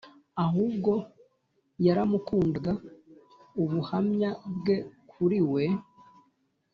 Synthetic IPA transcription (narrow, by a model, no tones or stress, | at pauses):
aɦub̚ɡo̞ | jaɾamukuːndɡa | uβuhamɲabɡe̞kʰuɾiwe̞